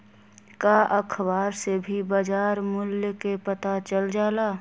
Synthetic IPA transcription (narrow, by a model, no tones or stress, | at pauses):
kaʔəkʰbaːɾsebʱibad͡ʒaːɾmʊljkepət̪at͡ʃəld͡ʒaːlaː